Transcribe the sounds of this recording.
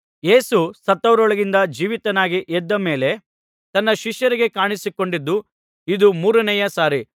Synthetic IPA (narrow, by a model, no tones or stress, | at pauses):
je̞ːsusɐt̪ːɐʋɐɾɔɭɐɡind̪ɐd͡ʒiːʋit̪ɐnaːɡiʔɛd̪ːɐme̞ːle̞ | t̪ɐnːɐʃiʃjɐɾiɡe̞kaːɳisiko̞ɳɖid̪ːu | id̪umuːɾɐnɛjɐsaːɾi